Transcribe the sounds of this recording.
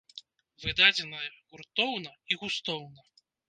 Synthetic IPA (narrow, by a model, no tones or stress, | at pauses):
vɨd̪ad͡zʲɛnɐjɐɣurt̪ɔwnɐiɣust̪ɔwnɐ